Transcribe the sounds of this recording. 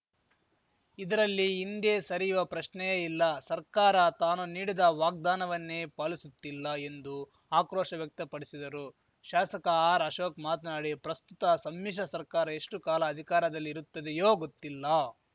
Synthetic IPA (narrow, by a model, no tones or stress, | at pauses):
id̪ɐɾɐlːiːnd̪eːsɐɾijuʋɐpɾɐʃnɛjeilːɐsɐɾkaːɾɐt̪aːnuniːɽid̪ɐʋaːɡ̚d̪aːnɐʋɐnːeːpaːlisut̪ːilːɐe̞nd̪u | aːkɾoːʂɐʋjɐk̚t̪ɐpɐɽisid̪ɐɾu | ʃaːsɐkɐaːɾɐʃoːkmaːt̪naːɽipɾɐst̪ut̪ɐsɐmːiʂ̬ɐsɐɾkaːɾɐe̞ʂʈukaːlɐːd̪ʱikaːɾɐd̪ɐlːiːɾut̪ːɐd̪ejoːɡot̪ːilːɐ